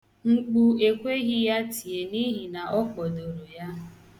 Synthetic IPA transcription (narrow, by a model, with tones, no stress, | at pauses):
ŋ͡m̩˦k͡pu˦e˨kʷe˦ɣi˦ja˦ti˨e˨ni˦ɦi˨na˨ʔɔ˦k͡pɔ˨do˨ɾo˨ja˦